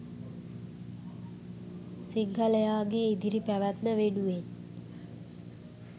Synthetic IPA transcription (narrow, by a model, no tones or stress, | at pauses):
siŋkʰəlejaːɡeid̪iɾipæʋæt̪nəʋenuʋen